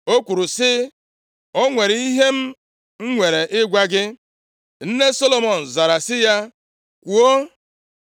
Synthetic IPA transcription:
o˦kʷu˨ɾʊ˨sɪ˦ | ɔ˦ŋʷe˨ɾi˦ɦe˦m̩˦ | ŋ̩˦ŋʷe˨ɾe˨ʔɪ˦ɡʷa˦ɡɪ˦ | n̩˦ne˦sɔ˦lo˦mɔ˨n̩˨za˨ɾa˨sɪ˦ja˦ | kʷu˨o˦

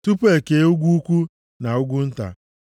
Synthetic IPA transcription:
tu˦pe˨ke˦u˦ɡʷu˦u˦kʷu˦ | na˨ʊ˦ɡʷu˦n̩˦ta̰˨

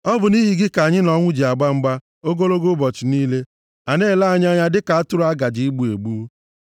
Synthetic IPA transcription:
ɔ˦bʊ˨ni˦ɦi˨ɡɪ˦ka˨ɲɪ˦nɔ˨ŋʷʊ˦d͡ʒi˨a˨ɡ͡ba˦ŋ͡m̩˦ɡ͡ba˦ | o˦ɡo˦lo˦ɡo˦bɔ˨t͡ʃɪ˨niː˦le˦ | a˨ne˦˨la˦a˨ɲa˦ɲa˦dɪ˦ka˨a˦tʊ˦ɾa˦ɡa˨d͡ʒi˨˦i˦ɡ͡bu˦˨e˨ɡ͡bu˦

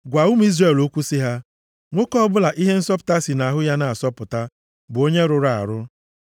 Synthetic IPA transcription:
ɡʷa˨u˦m˦i˦zɾe˦˨lo˦kʷu˦si˦ɦa˦ | ŋʷo˦kɔ˦bʊ˦la˨ʔi˦ɦe˦n̩˦sɔ˦pʊ̥˨ta˦si˨na˨ɦʊ˦ja˦na˨a˨sɔ˦pʊ˨ta˦ | bʊ˨o˦ɲe˦ɾʊ˨ɾa˨a̰˨ɾʊ˦

